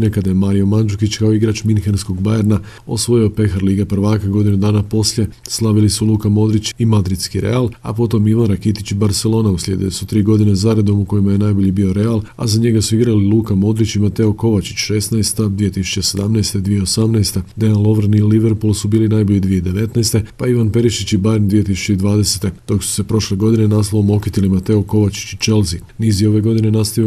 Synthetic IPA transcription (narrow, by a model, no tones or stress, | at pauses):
nekad̪ajemaɾijo̞mand͡ʒukit͡ɕkaoiɡɾaːt͡ʃminxensko̞ɡbajeɾna | o̞̰sʋo̞jio̞pe̞xaɾliːɡapr̩ʋaːkaɡo̞d̪inud̪aːnapo̞sʎje̞slˠaʋilisulˠuːkamo̞d̪ɾit͡ɕimad̪ɾit̪skiɾe̞̰alˠa̰po̞t̪o̞miʋanɾakit̪it͡ɕibaɾtse̞lˠo̞ːnauslʲje̞̰d̪ilesut̪ɾiːɡo̞d̪inezaɾed̪o̞muko̞jimaje̞najbo̞ʎibio̞ɾe̞alˠa̰zaɲe̞ɡasuiɡɾalilˠuːkamo̞d̪ɾit͡ɕimat̪e̞oko̞ʋat͡ʃi̥t͡ɕʃe̞snajst̪ad̪ʋije̞t̪isu̥t͡ʃe̞se̞d̪amnajst̪e̞d̪ʋije̞osamnajst̪ed̪eanlo̞ʋr̩niliʋeɾpulˠsubiːlinajboʎid̪ʋijeid̪e̞ʋe̞t̪najst̪e̞paiʋanpe̞ɾiʃit͡ɕibaɾemd̪ʋije̞t̪̬isu̥t͡ɕe̞id̪ʋaːd̪e̞set̪e̞d̪̥o̞ksu̥se̞pɾo̞ʃle̞ɡo̞d̪ine̞naslaomo̞kit̪ilimat̪e̞oko̞ʋat͡ʃi̥t͡ɕit͡ʃe̞lzi | niːzjeo̞ʋe̞ɡo̞d̪ine̞nast̪aʋijo